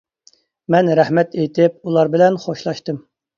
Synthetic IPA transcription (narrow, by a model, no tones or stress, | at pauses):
mɛnɾæhmɛt̪ejt̪ʰɪp̚ulˠɑɾbɪlɛnχoʃlˠɑʃt̪ɨm